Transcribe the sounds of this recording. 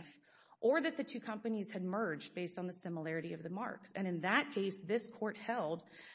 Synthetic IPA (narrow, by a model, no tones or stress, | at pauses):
f | ʔə˞ðɨt̪̚ðɨtʰʉkʰʌ̃mpɨniz̥ɨd̚mɜ˞d͡ʒbeɪstn̩ðəsɪ̃məlɛɹɨɾiʌvðɨmɑ̰ɹksɨ̃ɾ̃ɨ̃nðɨt̚kʰeɪsðɪskʰɔɹt̚hɛlˠd̥